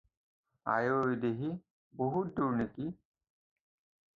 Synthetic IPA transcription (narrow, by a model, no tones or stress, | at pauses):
a̰jojd̪eɦi | boɦut̪̚d̪uɾniki